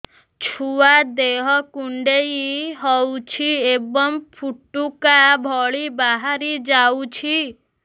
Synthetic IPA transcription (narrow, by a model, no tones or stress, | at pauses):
t͡ʃʰuad̪eɦɔkuɳɖejiɦɔwt͡ʃʰiebɔmpʰuʈːukabʱɔɭibaɦaɾid͡ʒawt͡ʃʰi